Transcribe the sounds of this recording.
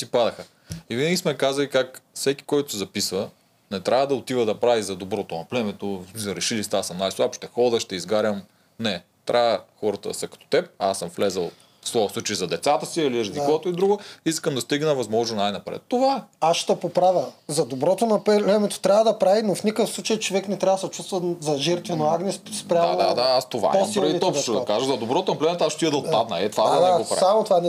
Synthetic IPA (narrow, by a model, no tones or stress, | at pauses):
sipad̪ɐxə | ivinəɡʲismɛkazɐlikakfsɛkʲi̥kɔjt̪ʊsɛzɐpisvə | nɛt̪ɾʲʔavəd̪ɐot̪ivəd̪ɐpɾavizɐd̪obɾɔt̪onɐplɛmɛt̪osmisɐɾɛʃilist̪asɐmnajslˠapʃt̪ɛxɔd̪əʃt̪ɛizɡaɾʲəm | nɛ | t̪ɾʲʔavəxɔɾɐt̪ə̰sɐkɐ̥t̪o̥t̪ɛp̚asəmflɛzɐlˠ | slˠɔvsˠut͡ʃɐizɐd̪ɛt̪sat̪əsiiliɾɐzlikvɔt̪oid̪ɾuɡoiskəmd̪ɐst̪iɡnəvɐzmɔʒnonajnɐpɾɛ̰t̪ːovaaʃt̪ɐpopɾavʲəzɐd̪obɾɔt̪onɐpɛlɛmɛt̪o̥t̪ɾʲavəd̪ɐpɾavinofnʲikəfslˠut͡ʃɐjt͡ʃovɛknɛt̪ɾʲavɐəd̪sɛt͡ʃust̪vəzɐʒɛɾt̪vɛnoaɡnɛsspɾʲamad̪ad̪aast̪ova̰ɛosmilɾɛd̪iit̪ɔpʃt̪od̪ɐkaʒɐzɐd̪obɾɔt̪onɐplɛmɛt̪oasʃt̪iid̪ɐlˠpad̪nɐɛt̪vad̪ɛɡopɾa̰samot̪ovan